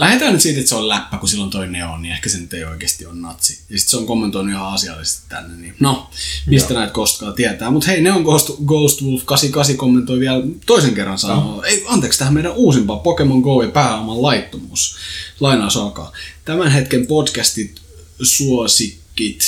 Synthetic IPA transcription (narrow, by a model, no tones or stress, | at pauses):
læhet̪æːnyt̪siːt̪et̪seollæpːækusilːont̪oineo̰nniehkæsenyt̪ːeio̰ikeːst̪ionnɑ̰t̪sijɑsi̥t̪seoŋkomːent̪oinuihɑɑsiɑ̰lːist̪i̥t̪t̪æ̰nːenninomist̪ænæit̪kost̪kɑːt̪iæt̪æːmut̪heineoŋkost̪ɡoulst̪ʋulfkɑsikɑsikomːent̪oiʋiælt̪oiseŋkerːɑnsɑnɑeiɑnt̪eːkst̪æhmeiɾæʔuːsimpɑːpokemoŋɡouipæːɑmɑllɑit̪ːomuːslɑinɑːsɑkɑ̰ːt̪æmænhet̪kempodkæst̪it̪ | suosikːit̪